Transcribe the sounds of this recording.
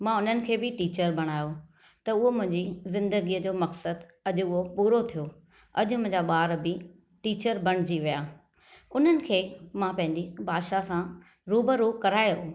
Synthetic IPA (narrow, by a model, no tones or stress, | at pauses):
mãʊn̤ənɪ̆kʰeːbɪʈiːt͡ɕəɾbʱɐɽ̃aːjo | t̪ɐʊɦomʊ̃ɦɪ̃ɲd͡ʑizɪ̃nd̪əɡiəd͡ʑoːmɐksəd̪ɐʄʊʊɦopuːɾot̪ʰijo | ɐ̰ʄʊ̆mʊ̃ɦɪ̃ɲd͡ʑaɓaːɾbɪ | ʈiːt͡ɕəɾbɐɽ̃ɪd͡ʑiʋijaː | ʊn̤ənɪ̆kʰeːmãpɐ̃ɦɪ̃ɲd͡ʑibaːd̪ʃasã | ɾuːbəɾuːkɐɾaːjo